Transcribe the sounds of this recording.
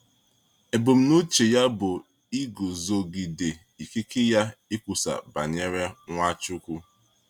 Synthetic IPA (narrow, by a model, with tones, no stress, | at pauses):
e˨bʊ˨m̩˦nu˦t͡ʃe˨ja˦bʊ˨ | i˦ɡo˨zo˨ɡi˨de˨ | i˨kɪ˦kɪ˦ja˦ɪ˦kʷu˨sa̰˨ba̰˨ɲe˦ɾe˦ŋʷa˦t͡ʃʊ˦kʷu˦